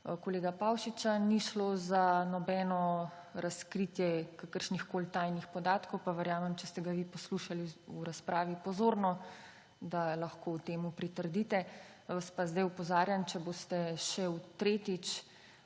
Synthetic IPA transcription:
koleːɡapawʃit͡ʃaniʃloːzanɔbɛnɔ | ɾaskɾiːt̪jɛkakəɾʃnixkoːlt̪ajnixpɔd̪aːt̪kɔwpaʋɛɾjaːmɛmt͡ʃɛst̪ɛɡaʋipɔsluʃaliuɾaspɾʔaːʋipɔzoːɾnɔ | d̪alaxkowt̪eːmupɾit̪əɾd̪iːt̪ɛ | ʋaspazd̪ajupɔzaːɾjant͡ʃɛboːst̪ɛʃɛwt̪ɾeːt̪it͡ʃ

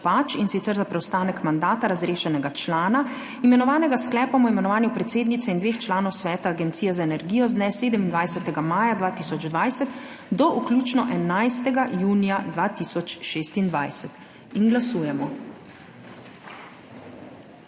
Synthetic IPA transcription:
pat͡ʃinsit̪sɛɾzapɾɛwst̪aːnɛkmand̪aːt̪aɾazɾeːʃɛnɛɡat͡ʃlaːna | imɛnɔʋaːnɛɡasklɛːpapɔimɛnɔʋaːnjupɾɛt̪seːd̪nit̪sɛind̪ʋeːxt͡ʃlaːnɔwsʋɛːt̪aːɡɛnt̪sijɛzaɛnɛɾɡiːjɔzd̪nɛseːd̪ɛmind̪ʋajsɛt̪ɛɡamaːjad̪ʋaːt̪isɔd͡ʒd̪ʋajsɛt̪ | d̪ɔʔuklʲuːt͡ʃnɔʔɛnajst̪ɛɡajuːnijad̪ʋaːt̪iːsɔt͡ʃʃeːst̪ind̪ʋajsɛt̪ | inɡlasuːjɛmɔ

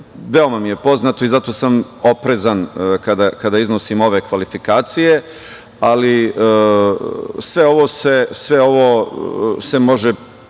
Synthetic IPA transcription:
ʋe̞omamije̞po̞znat̪o̞izat̪o̞samo̞pɾezankad̪akad̪aizno̞simo̞ʋe̞kʋalifikaːt̪sije̞ | ali | sʋe̞o̞ʋo̞sesʋe̞o̞ʋo | se̞mo̞ʒe

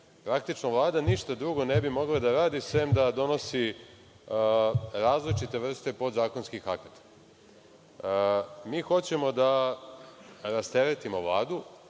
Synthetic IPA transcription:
pɾakt̪it͡ʂnoʋlˠaːd̪aniʃt̪ad̪ɾuɡo̞nebimo̞ɡlˠad̪aɾaːd̪isʋemd̪ad̪o̞no̞si | ɾaːzlit͡ʃit̪e̞ʋr̩st̪e̞po̞d̪zaːko̞nskixakat̪ḁ | miːxo̞t͡ɕe̞mo̞d̪a | ɾast̪eɾet̪imo̞ʋlˠa̰ːd̪u

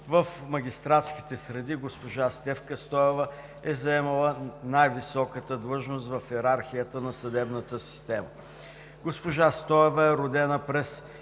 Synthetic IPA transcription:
vəfmɐɡʲist̪ɾat̪ski̥t̪ɛsɾɛd̪iɡospoʒast̪ɛfkəst̪ɔɛvə | ɛzɐɛmɐlˠənajvisɔkət̪əd̪lˠɤʒnost̪vɐfɛɾaɾxijət̪ənɐsɐd̪ɛbnət̪əsi̥st̪ɛmə | ɡospoʒast̪ɔɛvəɛɾʊd̪ɛnəpɾɛs

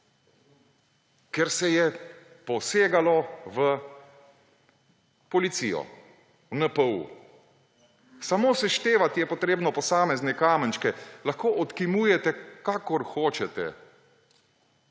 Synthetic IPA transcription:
kɛɾsɛjɛ | pɔseːɡalɔʋə | pɔlit̪sḭjɔ̰ | wnəpəṵ | samoːsɛʃt̪eːʋat̪ijɛpɔt̪ɾeːbnɔpɔsaːmɛznɛkaːmənt͡ʃkɛlaxkoːʔɔt̪kimuːjɛt̪ɛkaːkɔɾxoːt͡ʃɛt̪ɛ̰

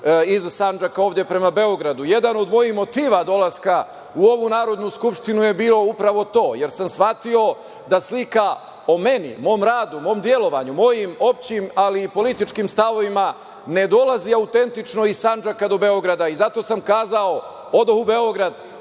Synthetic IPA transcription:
izsand͡ʒakaoːʋd̪ʲje̞pɾe̞mabe̞o̞ɡɾad̪uje̞d̪ano̞d̪mo̞jihmo̞t̪iːʋad̪o̞lˠaska | uo̞ʋunaːɾo̞d̪nuskupʃt̪inuje̞biːlo̞upɾaʋo̞t̪o̞ːje̞ɾsamsʋat̪io̞ | d̪aslika | o̞me̞nḭmo̞ːmɾaːd̪umo̞ːmd̪je̞lo̞ʋa̰ɲumo̞jimo̞p̚t͡ɕimaliːpo̞lit̪it͡ʃkimst̪aʋo̞ʋima | ne̞d̪o̞laziaut̪e̞nt̪it͡ʃno̞isand͡ʒakad̪o̞be̞o̞ɡɾad̪aizat̪o̞samkaːzao̞ | od̪ahube̞o̞ɡɾad̪

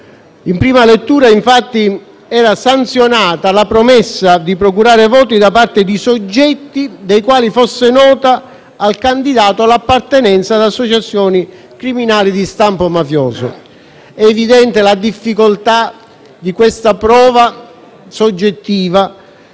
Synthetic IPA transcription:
impɾiːmalet̪ːuːɾaiɱfat̪ːi | ɛːɾasant̪sjonaːt̪alapɾomɛsːad̪ipɾokuɾaːɾevɔːt̪̬id̪apart̪ed̪isod͡ʒːɛt̪ːid̪ejkwaːlifosːenɔːt̪aː | lkand̪id̪aːt̪oalːapːart̪enɛnt̪sad̪asːot͡ʃat̪sːjɔːni | kɾiminaːlid̪ist̪ampomafjɔːzo̰ | ɛːvid̪ɛnt̪elad̪ifːikolt̪a | d̪ikwest̪apɾɔːva | sod͡ʒːet̪ːiːva

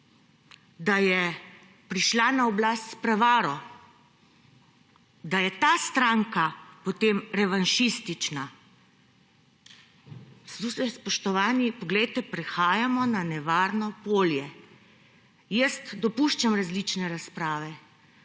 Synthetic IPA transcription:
d̪ajɛ | pɾiʃlanaɔblast̪spɾɛʋaːɾɔ | d̪ajɛt̪ast̪ɾaŋkapɔt̪eːmɾɛʋanʃist̪it͡ʃna | st̪usɛspɔʃt̪ɔʋaːnipɔɡlɛjt̪ɛpɾɛxaːjamɔnanɛʋaːɾnɔpoːljɛ | jəst̪d̪ɔpuʃt͡ʃamɾazlit͡ʃnɛɾaspɾaːʋɛ

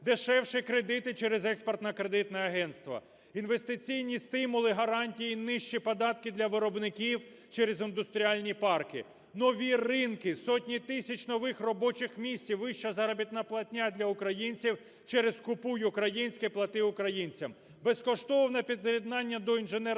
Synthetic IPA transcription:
d̪eʃɛwʃɪkɾed̪ɪt̪ɪt͡ʃɛɾezɛksport̪nɐkɾed̪ɪt̪nɛɐɦɛnst̪ʋɐ̰ | inʋest̪ɪt͡sʲijnʲist̪ɪmʊlˠɪɦɐɾɑnʲtʲijinɪʃt͡ʃipɐd̪ɑt̪kɪd̪lʲɐʋɪɾɔbnɪkʲiw | t͡ʃɛɾezind̪ʊst̪ɾʲiɑlʲnʲipɑrkɪ̰ | nɔʋʲirɪnkɪsɔtʲnʲit̪ɪsʲɐt͡ʃʲnɔʋɪxrɔbɔt͡ʃɪxmʲisʲt͡sʲiʋɪʃt͡ʃɐzɐɾɐbʲit̪nɐplˠɐtʲnʲad̪ʲlʲɐʊkɾɐjinʲt͡sʲiw | t͡ʃɛɾezkʊpujʊukɾɐjinʲsʲkɛplˠɐt̪ɪʊkɾɐjinʲt͡sʲɐm | bɛskɔʃt̪ɔwnɐpʲid̪̚kɾʲid̪nɑnʲːɐd̪ɔinʒɪnɛ

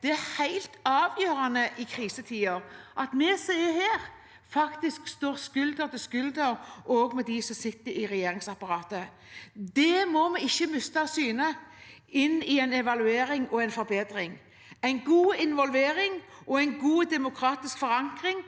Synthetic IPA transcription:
d̪̥ɛæɾhæɪlt̪ɑːʋjøːɾɑnəʔɪkʰɾiːsət̪ʰiːɔɾʔɑt̪mɛsæɪəheːɾ | fɑkt̪ɪskst̪oːʁskʉld̪əʁt̪ɪskʉld̪əɾʔoːɡmɛd̪isɔsɪt̪ːəɾɪɾɛjeːɾɪŋsɑpɑɾɑːt̪ə | d̪ɛmɔmɛɪçːəmʏst̪ɑsyːnə | ɪnːɪæɪnɛʋɑlʉeːɾɪŋɔæɪnfɔɾbeːd̪ɾɪŋ | æɪnɡuːɪnʋɔlʋeːɾɪŋʔɔæɪnɡuːd̪ɛmʊkʰɾɑːt̪ɪskfɔɾɑŋkɾɪŋ

